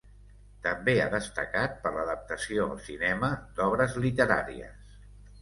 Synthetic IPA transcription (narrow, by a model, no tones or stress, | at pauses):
t̪əmbea̰ðəst̪ə̰kat̪̚pəɾləðəp̚t̪əsioə̰lˠsinɛməd̪ɔβ̞ɾəzlit̪əɾa̰ɾḭə̰s